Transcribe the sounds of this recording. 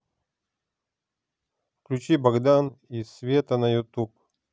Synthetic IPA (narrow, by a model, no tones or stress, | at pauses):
fklʲut͡ɕibɐɡd̪anisvʲet̪ənɐjut̪up